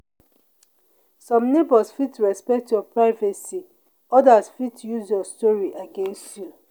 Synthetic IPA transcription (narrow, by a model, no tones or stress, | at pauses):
sɔ̃mnebɔsfitɹɛspɛk̚tjɔpɹaɪvasi | ɔdasfitjuzjɔstɔɹiʔaɡẽnstju